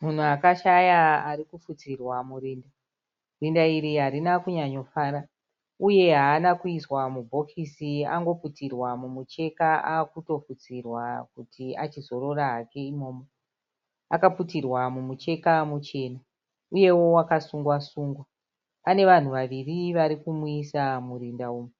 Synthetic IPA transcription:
mun̤uakaʃajaarikufut͡sirwamuriːnda | rindaiɾiɦaɾinakuɲaɲo̞faːɾa | uje̞ɦaːnakuiswamubʱo̞kʰisia̰ŋɡo̞putirwamumut͡ʃe̞kaʔaːkuto̞fut͡sirwakutʰia̰t͡ʃizo̞ɾo̞raɦake̞imo̞ːmo | akaputirwamumut͡ʃe̞kamut͡ʃe̞ːna | uje̞wo̞wakasuŋɡwasuːŋɡwa | pane̞ʋan̤uʋaʋiriʋaɾikumuisamurindauːmu

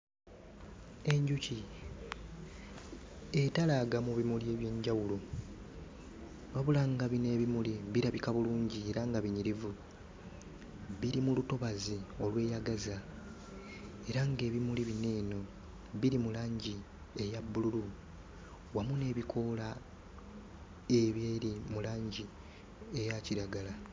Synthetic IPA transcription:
e̞ɲɟuci | etalaɡamuβimulieβje̞ɲɟawulo | βaβulaŋɡaβine̞ːβimuliβiɾaβikaβuluːɲɟieɾaŋɡaβiɲiɾivu | βiɾimuluto̞βazio̞lwe̞ːjaɡaza | e̞ɾaŋɡe̞ːβimuliβine̞ːno̞ | βiɾimulaːɲɟi | e̞jabːululu | wamune̞ːβikʰo̞la | e̞βjeːɾimulaːɲɟi | e̞jaciɾaɡala

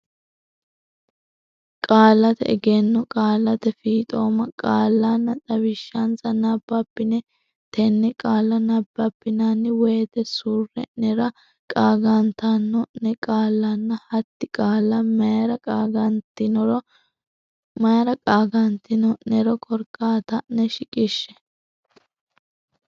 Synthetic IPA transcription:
kʼaːlːɐt̪ɛ̰ɛɡenːɔkʼaːlːɐt̪ɛfiːt̪ʼo̞ːmɐkʼaːlːanːɐt̪ʼɐwɪʃːɐnt͡sɐnɐbːɐpːɪnɛ | t̪ʰɛnːɛkʼaːlːɐnɐbːɐpːɪnanːɪwɔjt̪ɛsuːrːɛ̰nɛɾɐ | kʼaːɡɐnt̪anːɔnɛkʼaːlːɐnːɐhɐt̪ːɪkʼaːlːɐmɐjɾɐkʼːɡɐnt̪ɪnɾɔ | mɐjɐɾɐkʼaːɡɐnt̪ɪnɔnɛɾɔkʰɔɾkʼːaːt̪ɐnɛʃɪkʼɪʃːɛ̥

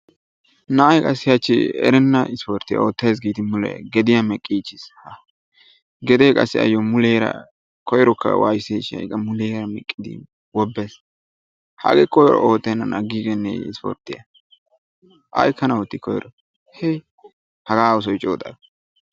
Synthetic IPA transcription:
nɐɐjkʼɐsːɪjɐt͡ʃːɪ̰ɛ̰ɾɛnːɐɪspɔɾt̪ːɪja̰ot̪ːɐjs̬ɡiːt̪ɪmʊlɛ̰ɡɛd̪ɪjamɛkʼːiːt͡ʃːɪshɐ | ɡɛd̪eːkʼɐsːɪɐ̰jːɔmʊleːɾɐ̰ | kʰɔjɾɔkːɐ̰wa̰ːjseʃɐ̰jkʼːɐmʊleːɾɐmɛkʼːɪd̪ɪ̰ | wɔbːes | hɐ̰ɡɛkːɔjɾɔ̰oːt̪ːɛnːɐnɐɡiːɡɛnːɛ̰ɪ̰spo̰ɾt̪ːɪjɐ̰ | ʔɐ̰jkːɐnɐɔt̪ːɪkʰɔj̰ɾɔ | hɛ | hɐɡaːʊs̬ɔjt͡ʃʼo̰ːt̪ʼɐd

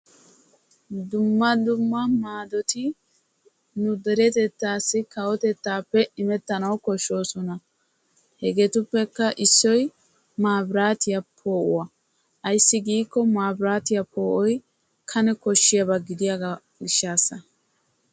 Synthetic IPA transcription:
d̪ʊmːɐd̪ʊmːɐmaːd̪ɔt̪ɪ | nʊd̪ɛɾɛt̪ɛt̪ːaːsːɪkɐwɔt̪ɛt̪ːaːpːɛɪmɛt̪ːɐnɐwkɔʃːo̞ːsɔnɐ | hɛɡet̪ʊpːɛkːɐʔɪsːɔj | maːbɪɾaːt̪ɪjɐpʰo̞ːʔʊ̰wɐ | ʔɐjsːɪɡiːkːɔmaːbɪɾaːt̪ɪjɐpʰo̞ːʔɔj | kʰɐnɛkɔʃːɪjɐbɐɡɪd̪ɪjɐɡa | ɡɪʃːaːsːɐ

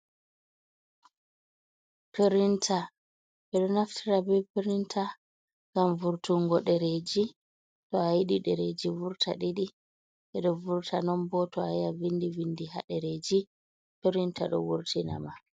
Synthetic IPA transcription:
peɾintʰa | ɓɛɗɔnaftʰiɾabɛjpeɾintʰa | ŋɡ̥amvuɾtuŋɡɔɗɛɾed͡ʒi | tɔajiɗiɗɛɾed͡ʒivuɾtʰaɗiɗi | ɓɛɗɔvuɾtʰanɔmbɔtɔajavindivindiha̰ɗɛɾed͡ʒi | peɾintaɗɔ̰wuɾtʰina̰ma

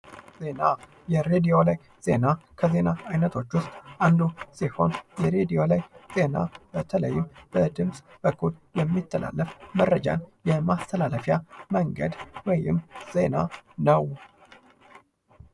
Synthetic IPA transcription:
ze̞na | jɛɾed̪ijo̞laj | z̥e̞̰nakʰəze̞naajnət̪ʰo̞t͡ʃːwʊst̪ʼʔand̪usiho̞̰njɛɾed̪ijo̞lajz̥e̞na̰b̥ət̪ʰələjːɪmb̥əd̪ɨmsʼb̥əkʰːuljɛmːit̪ʰːəlʔa̰lːəfmərːəd͡ʒa̰njɛmast̪ʰəlaləfjaməŋɡə̰d̪wɔjɪ̰mz̥e̞nanəw

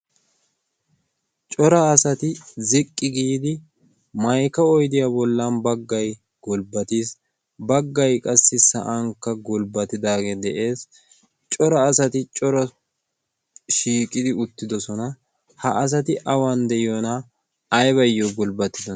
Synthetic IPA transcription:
t͡ʃʼɔɾɐːsɐt̪ɪzɪkʼːɪɡiːd̪ɪ | mɐjkɐɔjd̪ɪjabɔlːanbɐɡːɐj | ɡ̥ɔlbɐt̪iːs | bɐɡːɐjkʼɐsːɪsɐ̰ʔaŋkːɐɡɔlbɐt̪ːɪd̪aːɡeːd̪ɛʔe̞ːs | t͡ʃʼɔɾɐːsɐt̪ɪt͡ʃʼɔɾɔ | ʃiːkʼɪd̪ɪʊt̪ːɪd̪ɔsɔnɐ | hɐʔːs̬ɐt̪ɪʔɐwand̪ɛʔɪjɔnɐː | jβɐjːɔɡɔlbɐt̪ːɪd̪ɔ

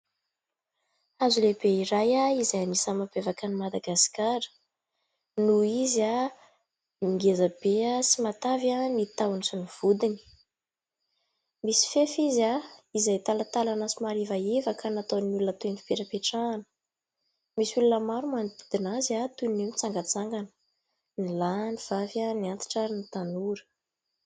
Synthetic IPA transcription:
azuleb̥eiɾajaizajamisamab̥evakanimad̪aɡaskaɾə̥ | nuiza | miŋɡezəb̥easimat̪avamit̪awanisuniv̥ud̪ini̥ | misi̥fefizaizajt̪alat̪alanasimaɾivaevakʰanat̪onulunət̪eni̥peɾapeʈ͡ʂaːnə̥ | misulunəmaɾumand̪id̪̥inaziat̪unemit͡saŋɡət͡saŋɡanə̥ | nilaniv̥avjaniant̪i̥ʈ͡ʂanit̪anuɾə̥

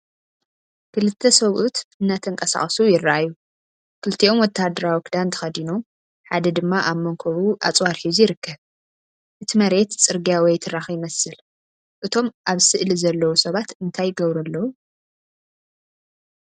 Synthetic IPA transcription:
kʰɨlɨt̪ʰːɐsɐβʔut̪ɨnːat̪ʰɐŋkʼɐsa̰χʼsujɪrːɐʔajːu | kʰɨlt̪ʰiʔo̞mwɔt̪ʰːahd̪ɐɾawikd̪ant̪ʰɐ̥xɐd̪inom | ħad̪ɐd̪ɨmːaʔamːɐŋkʰoβuʔat͡sʼwaɾħizjɪɾɨkʰːɐβ | ʔɨt̪ʰimɐɾe̞t̪t͡sʼɨɾɡiawɔjt̪ʰɨɾaxjɪmɐsɨl | ʔɨt̪ʰo̞mʔaβsɨʔlizɐlːɐwusɐβat̪ɨnt̪ʰajːɪɡɐβɾɐlːɐwu

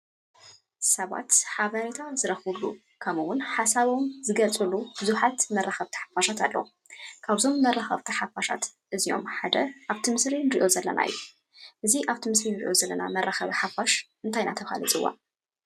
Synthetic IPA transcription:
sɐβa̰t̪ħaβɐɾit̪ʰazɨɾɐxulṵ | kʰɐmɨwʊnħasaβo̞mzɨɡɐlt͡sʼɨlub̥ɨzuħat̪mɐrːaxɐβt̪ʰi̥ħḁfaʃat̪alːɐ̰w | kʰaβzo̞mːɐrːaxɐ̰βt̪ʰiħafaʃa̰t̪ʔɨzio̞̰mħad̪ɐʔaβt̪ʰimɨsɾinɨɾiʔo̞zɐlːɐ̰nʔa̰j̰jːu | ʔɨziʔaβt̪ʰimɨsɾinɨɾiʔo̞zɐlːɐna̰mɐrːaxɐβiħafaʃʔɨnt̪ʰajnat̪ʰɐfa̰lit͡sʼɨwːa̰

